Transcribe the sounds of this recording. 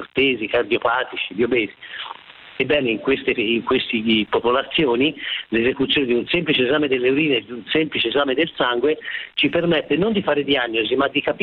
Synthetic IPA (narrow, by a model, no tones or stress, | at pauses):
rt̪eːzikard̪jopaːt̪it͡ʃid̪jobɛːzi | ebːɛːneiŋkwest̪eiŋkwest̪ipopolat̪sːjoːnilezekut̪sjoːned̪iunsemplit͡ʃeezaːmed̪elːeuɾiːned̪iunsɛmplit͡ʃiezaːmed̪elsaŋɡwet͡ʃipermɛt̪ːenond̪ifaːɾed̪ianːozimad̪ːikap